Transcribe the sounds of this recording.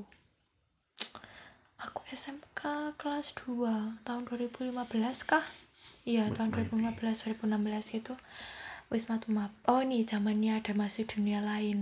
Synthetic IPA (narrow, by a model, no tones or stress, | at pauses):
akuɛsɛmkakəlasd̪̥uat̪aʊnduwaɾib̥ṳlimab̥əlaskahijatd̪aʊnduaɾibulimab̥əlas̬d̥̪uaɾib̥unambəlaskit̪u | wɪsmat̪umaʔɔni̥d͡ʒ̥amanɲaɖ̥a̤masid̪̥unialaɪn